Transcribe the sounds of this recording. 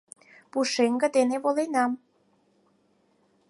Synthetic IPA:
puʃeŋɡə̆d̪eneβolenɑm

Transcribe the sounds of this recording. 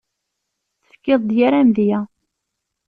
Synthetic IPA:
θə̥fkːɪðˤd̪jaɾæmðjæ

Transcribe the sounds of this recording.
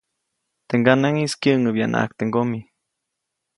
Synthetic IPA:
t̪eŋɡanaŋiskjəʔŋəbjanʔa̰kt̪eŋɡomi

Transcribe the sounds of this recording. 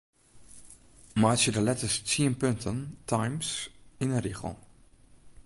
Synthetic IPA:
majsjədəlɛtəst͡siənpøntʰəntʰajmsinərixə̰

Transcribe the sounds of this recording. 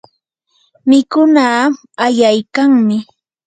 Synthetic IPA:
mɪkʊnaː | ajajkaŋmɪ

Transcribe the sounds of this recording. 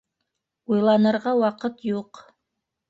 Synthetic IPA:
ujlˠɑnɤ̆ɾʁɑwɑqɤt̪juq

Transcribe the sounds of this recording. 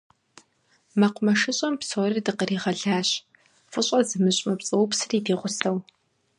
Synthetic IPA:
mɐqʷʊmɐʃɨɕʼɐmpsoːridɨqəriːʁɐɮaːɕ | fʼʊɕʼɐzɨmɨɕʼmɐpt͡sʼɨwʊpsɨriːdiːʁʷʊsɐw

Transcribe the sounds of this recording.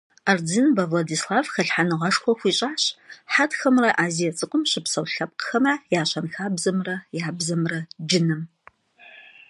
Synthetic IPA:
ard͡zɨnbɐvlɐdiːslaːvxɐɬħanɨʁɐʂxʷɔxʷiːɕʼaːɕħatxɐmrɐʔaːzijɐt͡sʼɨqʷʼʊmɕɪpsɐwɬɐp̚qxɐmɐjaːɕʷɐnxaːbzɐmrɐjaːbzɐmrɐd͡ʒɪnɨm

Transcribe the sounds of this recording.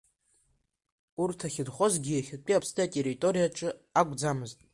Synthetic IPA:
urtʰaχʲɪdχozɡʲiaχʲɪpʼiapʰsdʰaatʼe̞ritʼo̞ɾijaʈ͡ʂʼɨakʷʼd͡zamɨztʼ

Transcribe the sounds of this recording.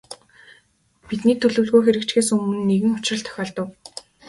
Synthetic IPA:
pit̪niːt̪ʰɵɮɵ̆wɮɣoːxeɾɘ̆kt͡ɕxeːsɵmɵ̆nːeɣɘ̆ŋʊ̥t͡ɕrə̆ɬt̪ʰœ̥xʲɔːɮt̪ə̆w

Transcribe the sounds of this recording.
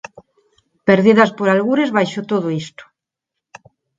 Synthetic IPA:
peɾðiðaspoɾalɣuɾezβajʃot̪oð̞oist̪o̥

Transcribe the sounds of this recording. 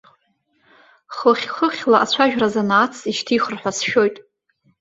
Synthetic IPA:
χəχʲχəχʲlaʔat͡ɕʷʰaʒᶣrazanaːt͡sʰiʃtʰiːχərħʷᶣasʃᶣo̞jtʼ

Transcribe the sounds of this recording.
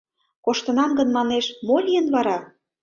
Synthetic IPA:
koʃt̪ənɑmɡə̆nmɑneʃmolʲijənβɑɾɑ

